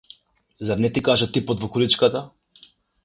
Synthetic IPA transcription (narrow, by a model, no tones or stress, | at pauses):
zaɾnɛt̪ikaʒat̪ipɔt̪vɔkulit͡ʃkat̪a